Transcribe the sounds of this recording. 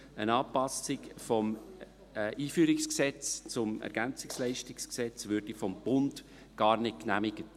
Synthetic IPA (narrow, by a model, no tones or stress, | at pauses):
ənɑːpɑsɪkfɔm | ʔiːfyːɾɪksksɛt͡st͡sʊmɛ̰ɾɡænt͡sɪkslɛɪʃtɪksksɛt͡svøɾd̥ifɔmb̥ʊnd | ɡ̥ɑːɾnɪt̚knæmɪɡ̥ət